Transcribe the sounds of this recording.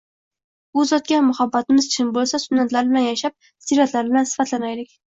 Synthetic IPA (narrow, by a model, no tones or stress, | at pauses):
bʊzɒt̪̚kʲamːʊhabːat̪ɪmɪzt͡ʃʰɪmbolˠsasʊnːat̪laɾbɪlanjaʃap̚ | siɾat̪laɾbɪlansɪ̥fat̪ʰlanajlɪkʲ